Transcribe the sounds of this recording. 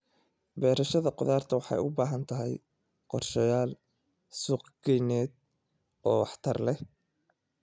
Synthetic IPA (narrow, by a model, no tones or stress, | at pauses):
bɛːɾɐʃɐðɐqʊðaːrt̪ʰɐwɑħɑ̰jʊbaːɦɐnt̪ʰɐɦɛj | qɔrʃɐjaːl | suːqɡɛjnɛːd̪̚ | ʔɔːwɑ̰ħt̪ʰɐrlɛ